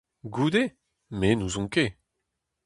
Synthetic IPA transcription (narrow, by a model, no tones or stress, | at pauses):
ɡud̪e | menuzɔ̃ke